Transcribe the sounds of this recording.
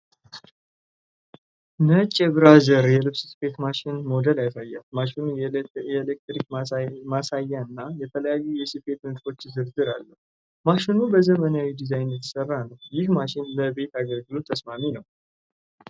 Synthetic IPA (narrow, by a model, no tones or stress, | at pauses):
nət͡ʃʼɛbɾazəɾjɛlɨβsɨsɨ̥pʰe̞t̪maʃɪnmo̞d̪əlajsajːalmaʃinuɛlek̚t̪ɾikmasajːaɨnːajɛt̪ʰələjajːujɛsɨfe̞t̪mɨd̪fo̞t͡ʃːzɨɾzɨɾalːəhu | maʃinubəzəmənawid̪izajnjɛt̪ʰːɨ̥sərːanəwjɪhmaʃɪnləbe̞t̪aɡəlɡɨlot̪ʰːəsmaminəw